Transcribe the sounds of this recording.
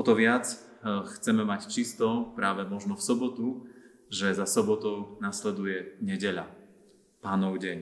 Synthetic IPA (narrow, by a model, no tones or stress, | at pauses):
ɔt̪ɔʋɪat͡s | xt͡sɛmɛmact͡ʃist̪ɔpɾaːʋɛmɔʒnɔfsɔbɔt̪u | ʒɛzasɔbɔt̪ɔʊnaslɛd̪ujɛɲɛɟɛʎa̰ | paːnɔʊɟɛɲ